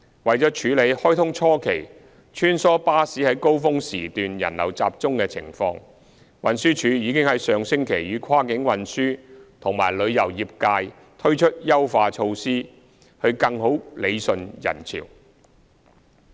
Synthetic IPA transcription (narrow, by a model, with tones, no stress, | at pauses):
wɐ˨jt͡sɔ˨˥t͡ʃʰyː˨˧le˨˧jhɔː˥jt̪ʰʊ˥ŋt͡ʃʰɔː˥kʰe˨˩j | t͡ʃʰyː˥nsɔː˥paː˥siː˨˥hɐ˨˥jko˥wfʊ˥ŋsiː˨˩t̪yː˨njɐ̰˨˩nlɐ̰˨˩wt͡sa̰ː˧p̚t͡sʊ˥ŋkɛː˧t͡sʰɪ̰˨˩ŋfɔ̰ː˧ŋ | wɐ˨nsyː˥t͡ʃʰyː˨˧jiː˨˧kɪ˥ŋhɐ˨˥jsœː˨˧ŋsɪ˥ŋkʰe˨˩jjyː˨˧kʰwaː˥kɪ˨˥ŋwɐ˨nsyː˥t̪ʰʊ˨˩ŋma̰ː˨˩jlɵ˨˧ɥjɐ˨˩wjiː˨p̚kaː˧j | t̪ʰɵ˥ɥt͡ʃʰɵ˥t̚jɐ˥wfaː˧t͡ʃʰo˧wsiː˥ | hɵ˧ɥkɐ˧ŋho˨˥wle˨˧jsɵ˧njɐ̰˨˩nt͡sʰḭː˨˩w